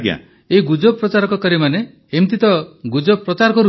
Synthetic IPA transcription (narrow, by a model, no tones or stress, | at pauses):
ɡjã̰ | eɡud͡ʒopːɾɔt͡ʃaɾɔkɔkɔɾimane | emt̪it̪ɔɡud͡ʒopːɾɔt͡ʃaɾɔkɔɾu